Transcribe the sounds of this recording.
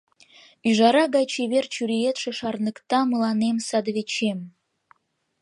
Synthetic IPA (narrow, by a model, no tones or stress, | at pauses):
yʒɑɾɑɡɑjt͡ɕʰeβert͡ɕyɾejet̪ʃĕʃɑrnə̆kt̪ɑməlˠɑnemsɑd̪βet͡ɕem